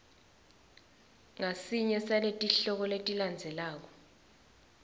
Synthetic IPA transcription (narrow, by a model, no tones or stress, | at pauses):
ŋasiɲɛsaletʼiɬɔk̬ɔletʼiland͡zʱɛlaːk̬ɔ